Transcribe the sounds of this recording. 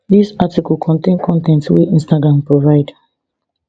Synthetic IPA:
ðisatikɔlkʰɔ̃ntẽnkʰɔ̃ntɛ̃ntwiĩnstaɡɹãmpɹovaɪd

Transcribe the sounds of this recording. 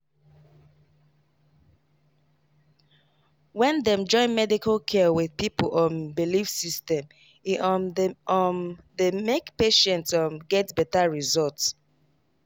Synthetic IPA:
wɛ̃ndɛmd͡ʒɔ̃ɪ̃nmɛdikalkʰɛwiðpipolɔ̃nbilifsistɛ̃m | i | ɔmdemekpeʃɛ̃ntsɔmɡɛtbɛtaɹizɔlts

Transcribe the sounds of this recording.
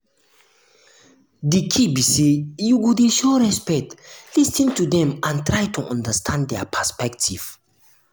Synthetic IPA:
dikʰibisejuɡodeʃɔɹɛspɛtlistĩntudɛ̃mãntɹajtʰuʔɔ̃ndəstʰãnddɛpʰəspɛktʰiv̥

